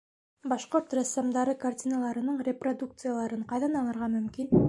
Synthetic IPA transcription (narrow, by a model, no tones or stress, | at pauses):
bɑʃqoɾt̪rast̪amd̪ɑɾɤkartʲinalˠɑɾɤ̆nɤɴrʲeprod̪uk̚t̪sɨjalˠɑɾɤɴqɑjðɑnɑnɤ̆ɾʁɑmɵ̆mkin